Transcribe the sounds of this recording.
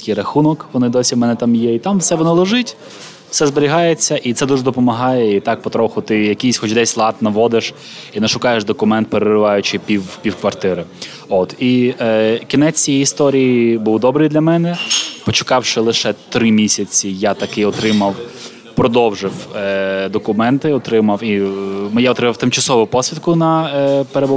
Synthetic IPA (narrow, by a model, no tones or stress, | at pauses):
kʲijɾɐxunɔkʋɔnɪd̪ɔsʲimɛnɛt̪ɑmjɛit̪ɑmwsɛʋɔnɔlˠɔʒɪtʲ | sɛzbeɾʲiɦɑjet͡sʲːɐʔit̪sɛd̪uʒɛd̪ɔpɔmɐɦɑjɛit̪ɑk̚pɔt̪ɾɔxʊt̪ɪjɐkʲisʲxɔt͡ʃd̪ɛsʲlˠɑt̪nɐʋɔd̪ɪʃ | inɛʃʊkɑjeʃd̪ɔkʊmɛnt̪̚peɾerɪʋɑjʊt͡ʃɪpʲiwpʲiwkʋɐrt̪ɪɾɪ | ot̪i | kʲinɛijiist̪ɔɾʲijibuwd̪ɔbɾɨjd̪lʲɐmɛnɛpɔt͡ʃɪ̥kɑwʃɪlˠɪʃɛt̪ɾɪmʲisʲɐt͡sʲijat̪ɐkɪɔt̪ɾɪmɐw | pɾɔd̪ɔwʒɪwd̪ɔkʊmɛnt̪ɪɔt̪ɾɪmɐwimjaɔt̪ɾɪmɐwt̪ɪmt͡ʃɐsɔʋʊpɔsʲʋʲid̪kʊnɐpeɾebʊ